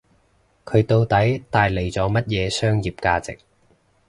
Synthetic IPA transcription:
kʰɵ˨˧ɥt̪o˧wt̪ɐ˨˥jt̪aː˨jle˨˩jt͡sɔː˨˥mɐ˥t̚jɛː˨˧sœː˥ŋjiː˨˩p̚kaː˧t͡sɪ̰˨k̚

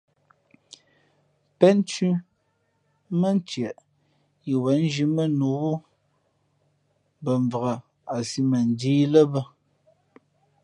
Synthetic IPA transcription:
pɛ˦n˦t͡ʃʉ˦ | mə˦˨n˦tjɛ˨ʔ | i˨wɛ˨˦n̩˦d͡ʒi˦mə˦nu˨˦bu˦ | bə˨ɱ˨və˨ɣa˨ | a˨si˦mə˨n̩˨diː˦lə˦bə˦

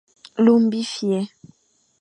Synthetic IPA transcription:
lu˦m˦bi˦fjɛ˦

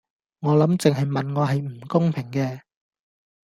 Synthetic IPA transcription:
ŋɔː˨˧lɐ˨˥mt͡sɪ˨ŋɦɐ˨jmɐ˨nŋɔː˨˧ɦɐ˨jm̩˨˩kʊ˥ŋpʰɪ˨˩ŋkɛː˧

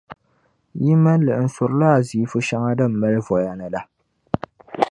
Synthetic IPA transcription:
ji˦ma˦lɨ˨ʔɨ˨n̩˨sʊ˨ɾɨ˦la˦a˨zi˨˦fʊ˦ʃa˦ŋa˦dɨ˦m̩˨ma˦lvɔ˨ja˨nɨ˨la˦

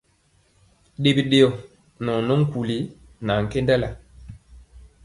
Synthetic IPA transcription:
ɗe˦bi˦ɗe˦ɔ˨ | nɔ˨nɔ˦ŋ̩˦ku˨li˨˦ | na˨ŋ̩˨ke˦nda˦la˨

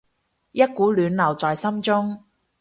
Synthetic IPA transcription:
jɐ˥t̚kuː˨˥lyː˨˧nlɐ˨˩wt͡sɔː˨jsɐ˥mt͡sʊ˥ŋ

